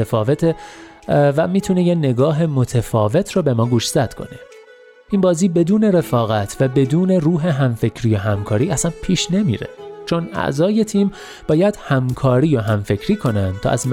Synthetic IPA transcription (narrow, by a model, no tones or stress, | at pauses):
efɒːve̞t̪ʰe | væmiːt̪ʰunejene̞ɡɒːɦe̞mo̞t̪ʰefɒːve̞t̪ʰɾɒːbe̞mɒːɡuːʃzæt̪kʰo̞̰ne | ʔinbɒːziːbe̞d̪uːne̞ɾe̞fɒːɣæt̪ʰvæbe̞d̪uːne̞ruːɦe̞ɦæmfe̞cʰɾiːjoɦæmkʰɒːɾiːʔæsænpʰiːʃne̞mḭːɾḛt͡ʃʰo̞næ̰ʔzɒːje̞t̪ʰiːm | b̥ɒːjæd̪̥hæmkʰɒːɾiːjoɦæmfe̞cʰɾiːkʰo̞nænd̪t̪ʰɒ̰ːʔæzm